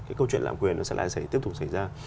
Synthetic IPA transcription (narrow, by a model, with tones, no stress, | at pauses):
kkaː˨˦jkə˧wt͡ɕwḭ˧˨nla̰ː˧˨mkwi˨˩ənːɔ˨˦sɛ̰˧˥la̰ː˧˨sə˨˦j̪t̪i˦˥əp̚t̪k͡p̚sa˧˩jzaː˧